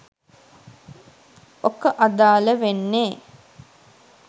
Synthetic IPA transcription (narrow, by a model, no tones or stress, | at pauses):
okəʔad̪aːləʋenːeː